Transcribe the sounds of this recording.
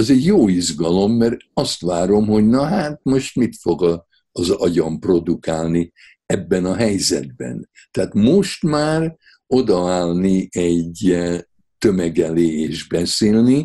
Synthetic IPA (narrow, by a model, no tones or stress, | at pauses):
ɛzɛɟjoːizɡɒlo̞mːɛrɒst̪ʋaːɾo̞mɦo̞ɟnɒɦaːt̪moʃt̪mit̪fo̞ɡɒ | ɒzɒɟɒmpro̞d̪ukaːlni | ɛbːɛnɒɦɛjzɛ̰d̪̚bɛ̰n | t̪ɛaːt̪moʃt̪maːr | o̞d̪ɒaːlniɛɟ | t̪ø̞mɛɡɛleːeːʒbɛseːlni